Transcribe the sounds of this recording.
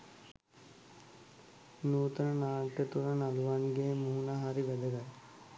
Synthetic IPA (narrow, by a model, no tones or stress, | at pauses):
nuːt̪ənənaːʈːət̪uɾanaluʋaŋɡeːmuɦunaɦaɾiʋɛd̪əɡat